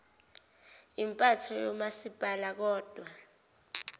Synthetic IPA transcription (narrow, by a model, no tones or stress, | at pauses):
impʼatʰɔjɔmasib̥ʱalak̬ɔːd̥ʱwa